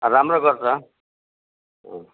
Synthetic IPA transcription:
ramroɡʌrt͡sʰʌ | o

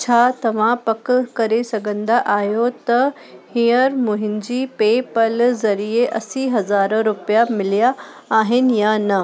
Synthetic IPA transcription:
t͡ɕʰaːt̪ɐʋ̤ãpɐkkɐɾesɐɡʱə̃nd̪aʔaːɦjot̪ɐ | hijəɾmʊɦɪ̃nd͡ʑipeːpɐlzɐɾieʔɐsiɦɐzaːɾɾʊpijamɪlijaː | ɦɪnɪ̆janɐ

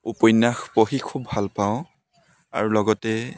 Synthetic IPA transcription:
upɔjnːaxpoxikʰubːʱalpaʊ̃ | a̰ɹulɔɡɔtɛ

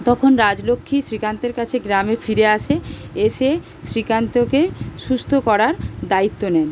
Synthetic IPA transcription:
t̪ɔkʰonɾad͡ʑlokʰːiʃɾikant̪eɾkat͡ɕʰeɡɾamefiɾeaʃʰeeʃe | sɾikant̪okeʃust̪ʰokɔɾaɾd̪ait̪ːonɛn

